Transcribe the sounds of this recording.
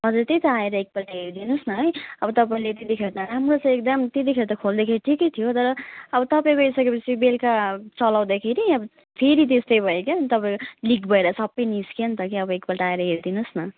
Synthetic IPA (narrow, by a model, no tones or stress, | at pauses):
ɦʌd͡zuɾt̪ejt̪ʌaeɾʌek̚pʌlʈaɦeɾd̪inusnʌɦʌjʌbʌt̪ʌpaĩlet̪et̪ikʰeɾt̪ʌɾamrot͡sʌ̃ek̚d̪ʌmt̪et̪̬ikʰeɾit̪ʌkʰold̪akʰeɾiʈʰikʌjt̪ʰijot̪ʌɾʌʌbʌt̪ʌpaĩbʌjsʌkepʌt͡sʰibelkat͡sʌlaw̃d̪akʰeɾiʌbʌ | pʰeɾit̪est̪ʌjbʱʌekaʌnit̪ʌpaĩkolikbʱʌeɾʌsʌbːʌjniskent̪ʌkiʌbʌekpʌlʈaaeɾʌɦeɾd̪inusnʌ